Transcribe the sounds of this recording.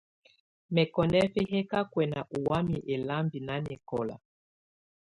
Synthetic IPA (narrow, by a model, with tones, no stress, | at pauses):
mɛ˨kɔ˨nɛ˦fɛ˦ɦɛ˦ka˦kwɛ˨na˨ʔu˨wa˦mi˨ʔɛ˨la˦mbi˨na˦nɛ˨kɔ˦˨la̰˨